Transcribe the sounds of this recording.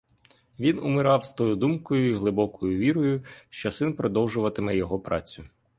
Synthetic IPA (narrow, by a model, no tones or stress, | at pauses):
ʋʲinʊmɪɾɑwst̪ɔjʊd̪umkɔjʊiɦlˠɪbɔkɔjʊʋʲiɾɔjʊʃt͡ʃɔsɪnpɾɔd̪ɔwʒʊʋɐt̪ɪmɛjɔɦɔpɾʔɑt͡sʲʊ